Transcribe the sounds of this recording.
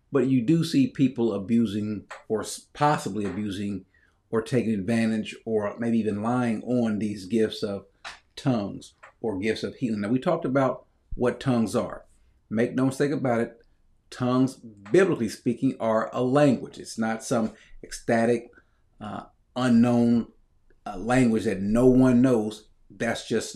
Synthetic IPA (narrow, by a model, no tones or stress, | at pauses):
b̥ʌt͡ʃɨdɨsipʰipl̩ˠəbjʉzɪ̃ŋə˞spʰɑsəbliɨbjʉzɪ̃ŋ | ə˞tʰeɪkɪ̃ŋɨdvæ̃ɾ̃ɪd͡ʒə˞meɪbiivɨ̃nlaɪɪ̃ŋʔə̃nðizɡɪftsʌv̥tʰʌ̃ŋz̥ə˞ɡɪftsʌv̥hilɪ̃ŋnaʊwitʰɔk̚təbaʊt̚ | wʌtʰʌ̃ŋzə̰˞ | meɪk̚noʊməsteɪkɨbaʊɾɨt̚ | tʰʌ̃ŋzbɪbləklispikɪ̃ŋə˞ʔəlæ̃ŋɡwɨd͡ʒɨtsnətsʌ̃mɨkstæɾɪk̚ | ʌ̃nːõʊ̃n | læ̃ŋɡwɨd͡ʒðɨtⁿnoʊwʌ̃nːoʊz | ðætsd̥ʒ̥ʌs